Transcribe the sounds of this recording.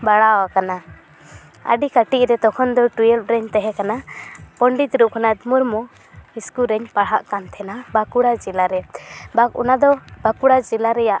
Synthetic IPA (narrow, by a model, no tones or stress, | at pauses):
baɽawakana | ə̰ɖikaʈiʔɾɛt̪ɔkʰɔnd̪ɔʈujɛlp̚ɾɛɲt̪ɛɦɛ̃kanapɔɳɖit̪ɾuʔkanad̪muɾmɔ | iskuɾɛɲpaɽ̤ɦaʔkant̪ʰɛnabakuɽad͡ʒɛlaɾɛbakṵnad̪ɔbakuɽad͡ʒɛlaɾɛjaʔ